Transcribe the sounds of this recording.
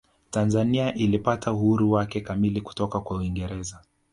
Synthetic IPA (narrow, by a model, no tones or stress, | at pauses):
tanzaniaʔilipatʰauhuɾuwakɛkamiliku̥tɔkakwauiŋɡɛɾɛza